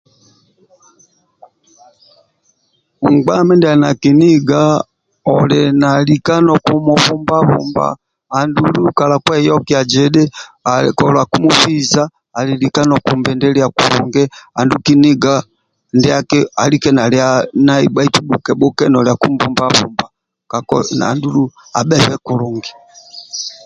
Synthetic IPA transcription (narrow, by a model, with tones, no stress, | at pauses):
ŋɡ͡ba˦mɛ˦ndɛa˨na˨ki˨ni˦ɡa˦ | ɔlɛna˨li˨ka˦nɔ˨ku˦mɔ˨βu˦mba˦βṵ˨mba̰ː˨ | ndu˨lu˦u˦ka˨la˨kwɛ˦jɔ˦ki˦a˨d͡ʒɛ˦ɗɛ˦aɛkɔla˨ku˦mu˦fi˦zaː˦˨ | li˨li˨ka˦nɔ˨ku˨mbɛ˨ndɛ˦lia˨ku˨ɾṵŋɡɛ˦a˨nduki˦ni˦ɡa | ndɛ˦a˦kɛa˨likɛ˦na˨liana˦i˨ba˦i˦tu˦ɓu˨kɛ˨bɔ˦kɛ˦nɔ˨lɛa˨ku˦mbu˦mbaβṵmba | ka˨kɔ̰na̰ndu˦lu˦ | a˨ɓɛ˦βɛku˨lu˨ŋɡɛ˨